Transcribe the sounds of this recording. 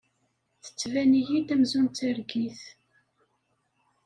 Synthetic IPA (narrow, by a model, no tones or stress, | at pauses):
θə̥t͡sːvænijid̪æmzunt̪əɾɡiθ